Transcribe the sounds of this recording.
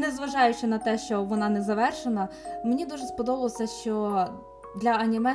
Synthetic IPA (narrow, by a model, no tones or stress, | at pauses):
nɛzʋɐʒɑjʊt͡ʃɪnɐt̪ɛʃt͡ʃɔʋɔnɑnɛzɐʋɛrʃenɐmenʲid̪uʒɛspɔd̪ɔbɐlˠɔsʲɐʃt͡ʃɔ | d̪lʲɐɐnʲimɛ